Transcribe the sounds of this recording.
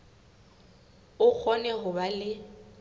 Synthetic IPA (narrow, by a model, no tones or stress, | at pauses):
ʊk͡xʰɔnɛɦʊbalɪ